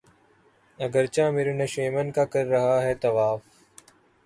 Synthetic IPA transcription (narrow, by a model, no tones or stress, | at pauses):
ɐɡəɾt͡ʃãːmɪɾʊneʃeːmənkaːkɐɾːɐɦaːɦɛːt̪ɐʋaːf